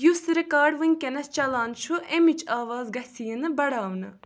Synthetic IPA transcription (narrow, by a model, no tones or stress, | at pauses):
jusɾikaːɖʋɨnʲkʲenɐst͡ʃɐlaːnt͡ʃʰuʔemit͡ʃaːʋaːzɡɐsijənɨbɐɽaːʋnɨ